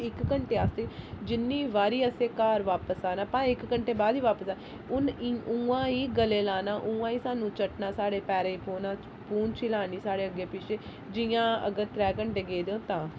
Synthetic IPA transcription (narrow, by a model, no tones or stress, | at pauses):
ɪkkəɳʈeːaːst̪eːd͡ʒɪnːiːʋaːɾiːəseːkaːɾʋaːpəsaːnaːpãːɪkːəɳʈeːbaːd̪iːʋaːpəsaː | ʊniuːãːiːɡəleːlaːnaːʔũːãːiːsaːnũːt͡ʃəʈnaːsaːɽeːpɛːɾeːiːpoːnãː | puːnt͡ʃʰilaːniːsaːɽeːəɡeːpɪt͡ʃeː | d͡ʒɪjãːə̰ɡəɾt̪ɾɛːkəɳʈeːɡeːd̪eːõːt̪ãː